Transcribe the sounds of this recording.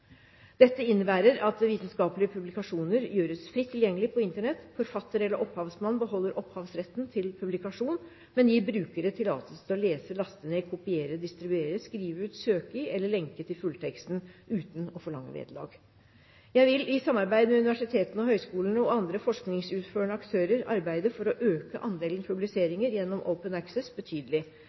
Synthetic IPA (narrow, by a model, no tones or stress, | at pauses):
d̪̥ɛt̪ːəɪnːəbæːɾəɾɑt̪ʋiːt̪ənskɑːpəlɪəpʰʉblɪkɑʂuːnəɾjøːɾəsfɾɪt̪ʰːɪljɛŋːəlɪpʰɔɪnt̪əɳɛt̪ːfɔɾfɑt̪ːəɾɛlːəɾʔɔphɑːʋsmɑnːbəɦɔlːəɾʔɔphɑːʋsɾɛt̪ːnt̪ʰɪlpʰʉblɪkɑʂuːn | mɛnjiːbɾʉːkəɾət̪ʰɪlɑ̰ːt̪ʰəst̪ʰɪɔleːsəlɑst̪ənəɪkʰʊpɪeːɾəd̪ɪst̪ɾɪbʉeːɾəskɾiːʋəʉːt̪søːkəɛlːəɭɛŋkət̪ʰɪlfʉlt̪ʰɛkst̪n̩ʉːt̪n̩ɔfɔɭɑ̰ŋːə̰ʋḛːd̪əlɑ̰ːɡ | jæɪʋɪlɪsɑmːɑɾbæɪd̪əmɛʉnɪʋæʂɪt̪ʰeːt̪n̩ɔhœʏskuːlənəɔɑnd̪ɾəfɔʂknɪŋsʉːt̪føːɳəɑkt̪ʰøːɾəɾɑ̰ɾbæɪd̪əfɔɾɔʔøːkəʔɑnd̪eːlənpʰʉblɪseːɾɪŋəɾjɛnːɔmʔə̰ʊpənæksɛsbət̪ʰyːd̪əlɪ